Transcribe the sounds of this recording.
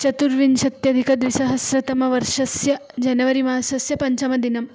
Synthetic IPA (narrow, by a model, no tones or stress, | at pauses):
t͡ʃɐt̪uɾʋinʃɐt̪jɐd̪ʱikɐd̪ʋisɐɦɐsɾɐt̪ɐmɐʋɐɾʂɐsjɐd͡ʒɐnɐʋɐɾimɐːɐsɐsjɐpɐɲt͡ʃɐmɐd̪inɐm